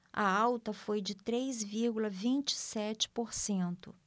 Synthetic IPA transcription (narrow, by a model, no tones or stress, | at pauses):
ɐ̰awt̪ɐfojd͡ʒɪt̪ɾejzviɾɡulɐvĩnt͡ʃɪ̥sɛt͡ʃɪ̥poɾsẽnt̪ʊ̰